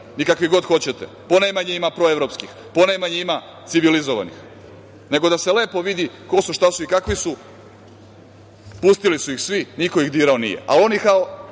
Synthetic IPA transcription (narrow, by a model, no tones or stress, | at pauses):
nikakʋiɡo̞d̪xo̞t͡ɕet̪ḛ | po̞najmaɲeimapɾoeʋɾo̞pskix | ponajmaɲeima | t̪siʋilizoʋa̰nḭx | ne̞ɡo̞d̪ase̞le̞ːpo̞ʋid̪iko̞suʃt̪asuikakʋisu | pust̪ilisuixsʋiniko̞ixd̪iːɾaonḭje̞̰a̰lo̞nikao